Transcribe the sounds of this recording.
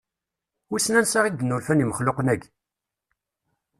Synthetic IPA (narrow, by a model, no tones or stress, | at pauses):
ʊsnænsaʁiɡ̪ənːulfæniməχloqnæɡ